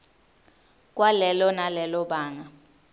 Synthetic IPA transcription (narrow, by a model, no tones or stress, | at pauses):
kʼwalɛlɔnalɛlɔɓaːŋa